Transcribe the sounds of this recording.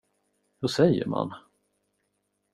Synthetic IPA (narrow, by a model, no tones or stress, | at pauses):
hɵsɛjːə̰ɾma̰n